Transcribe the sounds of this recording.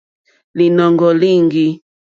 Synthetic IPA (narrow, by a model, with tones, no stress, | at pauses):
li˨nɔ˨ŋɡɔ˨li˦ŋɡi˦